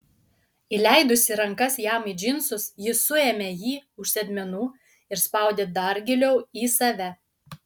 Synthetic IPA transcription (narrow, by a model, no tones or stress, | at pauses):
ilʲɛˑɪd̪ʊsʲɪɾɐŋkɐsjæmid͡ʒʲɪnsʊsjɪsʊɛmʲejiːʊʃʲsʲɛd̪ʲmʲɛnuː | ɪɾspɑˑʊd̪ʲeːd̪ɐɾɡʲɪlʲɛʊiːsɑːʋʲɛ